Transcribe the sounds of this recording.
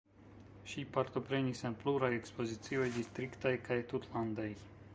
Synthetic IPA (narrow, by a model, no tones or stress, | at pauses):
ʃipaɾt̪o̞pɾenisenpluɾajekspozit͡siojd̪ist̪ɾikt̪ajkajt̪ut̪land̪aj